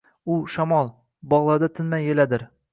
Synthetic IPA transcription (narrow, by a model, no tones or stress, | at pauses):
uʃɒmɑlˠ | bɒʁlˠɑd̪ɤt̪ʰɵ̆nmæjɘ̆læd̪ɘɾ